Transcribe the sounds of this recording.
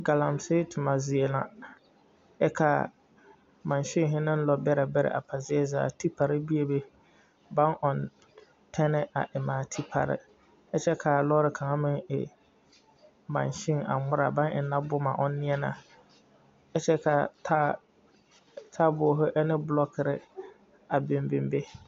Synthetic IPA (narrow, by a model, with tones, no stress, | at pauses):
ɡa˨la˨msɪ˦tʰʊ˨ma˨zɪ˨e˨la̰˨ | ɛ˦kʰa˨ | mã˨nʃɪ˦ŋ˨ɦɪ˦nɪ̃˦n˦lɔ˨bɛ˦ɾɛ˨bɛ˦ɾɛ̰˨ʔa̰˨pʰa˨zɪ˦ɛ˦za̰ː˨tʰi˦pʰa˨ɾɪ˦bi˦e˨be˦ | ba˦nʔɔ˨n | tʰɛ˦nɛ˦ʔa̰˨ʔɛ˨maː˨tʰi˦pʰa̰˨ɾɪ̰˦ | ɛ˦t͡ʃɛ˦kʰa˨lɔ˦ɾɪ˨kʰa˨ŋa˦mɪ˦ŋɪ̰˨ | mã̰˨nʃɪ˦ŋa̰˨ŋʊ˦ɾa˨ba˦nɪ̰˨na˦bʊ˦ma̰˨ʔʊ˦nː˦ɪ˦ɛ˦na˨ | ɛ˦t͡ʃɛ˦ka˨tʰa˦ | tʰa˦bʊ˨˦ɦʊ˦ʔɛ˦nɪ˦bʊ˦lɔ˦kʰɪ˨ɾɪ̰˦ | a˨be˨mbɪ˨mbe˦